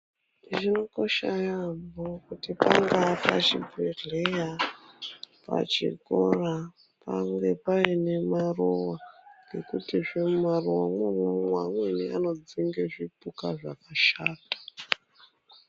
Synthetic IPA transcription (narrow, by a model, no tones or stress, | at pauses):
ʐino̞ko̞ʃajambokutipaŋɡapat͡ʃibʱeɮeja | pa̰t͡ʃḭkora | paŋɡe̞painemarowaŋɡe̞kutiʐemumaruwa̰mwemwemwamweniano̞d͡ziŋɡeʐipukaʐakaʃaːtḁ